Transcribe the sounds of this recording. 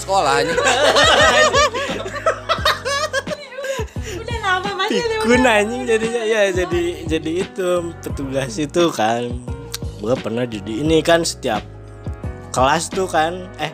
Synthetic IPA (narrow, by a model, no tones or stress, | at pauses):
səkola | fikunaɲɪŋd͡ʒadiajad͡ʒadid͡ʒadiːt̪upət̪uɡasit̪ukan | boapərnahd͡ʒadiːnikansə̥t̪ia̰p̚ | kəlast̪ukanɛh